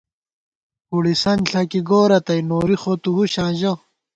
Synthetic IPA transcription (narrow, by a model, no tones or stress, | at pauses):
huɽisɐnɬʰɐkiɡoːɾɐt̪ɐjnoːɾixoːt̪uɦuɕãːʑo